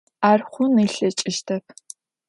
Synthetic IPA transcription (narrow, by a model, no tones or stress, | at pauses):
aːrχʷʊnɨːɬɐt͡ʃʼɪʃtʰɐpʰ